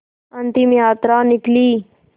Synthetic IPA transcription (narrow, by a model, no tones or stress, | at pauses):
ɐnt̪imjaːt̪ɾaːnɪkliː